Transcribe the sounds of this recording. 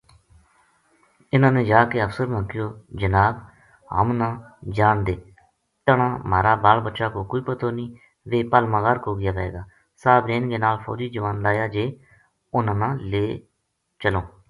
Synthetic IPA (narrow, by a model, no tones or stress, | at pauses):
ɪnãːnẽːd͡ʒaːkeːəpsəɾməŋkɪjoːd͡ʒənaːb | ɦə̰mnãːd͡ʒaːnd̪eː | t̪əɳãːmaːɾaːbaːlbətːʃaːkoːkoːiːpət̪ʰoːniː | ʋeːpəlmãːɡaːɾkoːɡɪjaːʋɛḛːɡaː | saːbɾeːnɡeːnaːlpʰo̰ːɾiːd͡ʒəʋãːnd̪aːjaːd͡ʒeː | ʊnãːnãːleː | t͡ʃəloː